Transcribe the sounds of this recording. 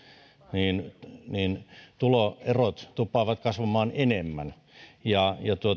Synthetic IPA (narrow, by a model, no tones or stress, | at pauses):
niːnniːnt̪uloerot̪t̪upːˑɑːʋɑt̪kɑsʋɑmɑːnenemːæn | jɑjɑt̪uo